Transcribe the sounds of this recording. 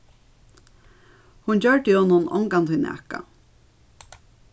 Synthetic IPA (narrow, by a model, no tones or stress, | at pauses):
hunt͡ɕœɹʈ̪ihɔːnːʊnɔ̰ŋkant̪ʰʏnɛ̰ka̰